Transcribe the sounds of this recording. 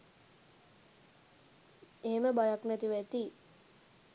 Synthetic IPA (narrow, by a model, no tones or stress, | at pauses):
eɦeməbajaknɛt̪iʋæt̪i